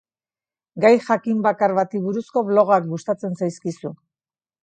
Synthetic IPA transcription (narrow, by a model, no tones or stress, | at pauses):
ɡajxakimbakaɾβat̪iβuɾusko̞βlo̞ɣak̚ɡust̪at͡se̞nsajskisu